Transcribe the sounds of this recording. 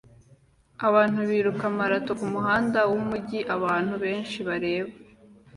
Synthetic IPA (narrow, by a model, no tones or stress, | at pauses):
aβaːn̥huβiːɾukamaɾatokumuɦaːndawumuɟiʔaβaːn̥huβe̞ːnʃiβaɾe̞ːβa